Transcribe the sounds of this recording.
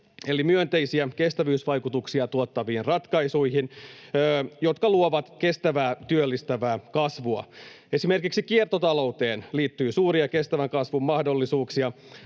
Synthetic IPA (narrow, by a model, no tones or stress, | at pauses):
e̞limyønt̪e̞jsiæke̞st̪æʋyːsʋɑjkut̪uksiɑt̪uot̪ːɑʋiːnrɑt̪kɑjsujɦinː | jo̞t̪kɑluoʋɑt̪ke̞st̪æʋæːt̪yølːist̪æʋæːkɑsʋuɑ̰ | e̞sime̞rkiksikiert̪ot̪ɑlo̞wt̪e̞ːnliːt̪ːyːsuːriɑke̞st̪æʋæŋkɑsʋumːɑhdo̞lːisuːksiɑ